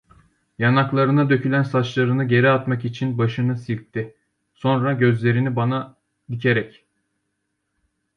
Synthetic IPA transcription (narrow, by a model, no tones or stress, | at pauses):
janaklˠaɾɯnad̪ø̞cʰylʲænsat͡ʃlˠaɾɯnɯɟe̞ɾiat̪makit͡ʃʰinbaʃɯnɯsilʲt̚t̪ʰːɪ | so̞nɾaɟø̞zlʲe̞ɾinibana | d̪icʰe̞ɾɛc